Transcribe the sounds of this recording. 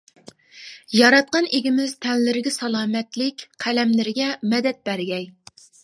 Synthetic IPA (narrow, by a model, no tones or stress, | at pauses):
jɑɾɑt̪̚qɑneɡʲimɪz̥t̪ʰɛnlɪɾɪɡʲɛsɑlˠɑːmɛt̪lɪkʲqʰælɛmlɪɾɪɡʲɛmɛd̪ɛt̪̚b̥æɾɡʲɛj